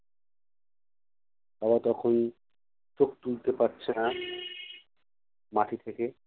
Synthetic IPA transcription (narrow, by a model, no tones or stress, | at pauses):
aβat̪ɔkʰon | t͡ɕok̚t̪ult̪epaɾt͡ɕʰena | maʈʰit̪ʰeke